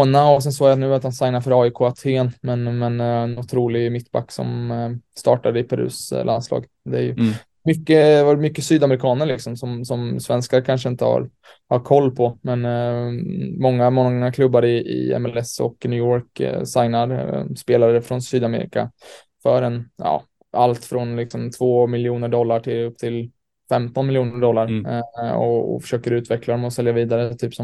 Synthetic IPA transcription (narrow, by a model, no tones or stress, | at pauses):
naɔsɛns̬oːɡjanʉ̟ːat̪hansajnaɾfœɾɑːɪkʰoːat̪ʰeːnmɛnmɛnɛnʊt̪ʰɾuːlɪmɪt̪ːba̰kːsɔ̰mst̪ɑ̰ːʈad̪əɪpʰɛɾʉ̰ːslʔanslɑ̰ːɡ | d̪ɛæɾjɵ̰ | mʏkːəd̪vaɾmʏkːəsyːd̪amɾɪkʰɑːnəɾɭɪksɔmsɔmsɔmsvɛnskaɾkʰanʂəɪnt̪əha̰ɾ | haɾkʰɔlːpʰɔmɛn | mɔŋːamɔŋːakʰlɵbːaɾɪʔɪ̰ɛ̰mɛlɛsɔ̰knʉːɔːɾksajnaɾspeːlaɾəfɾɔnsyːd̪amḛːɾɪ̰ka̰ | fœɾɛnjɑ̰ː | ʔalt̪fɾɔnlɪksɔmt̪ʰvoːmɪljuːnəɖɔlːaʈʰɪlɵp̚ːt̪ʰɪl | fɛmt̪ɔnmɪljuːnəɖɔlːaɾ | ɔ̰ɔ̰fœ̥ʂøːkəɾʉ̟ːt̪vɛkʰlad̪ɔmɔsɛljaviːd̪aɾət̪ʰyːpsɔm